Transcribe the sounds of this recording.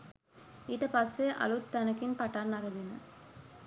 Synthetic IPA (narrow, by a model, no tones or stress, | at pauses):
iʈɐpɐsːeːʔɐ̰lut̪ːɐnɐkːinpɐʈːaːnːɐɾɐʋinɐ̰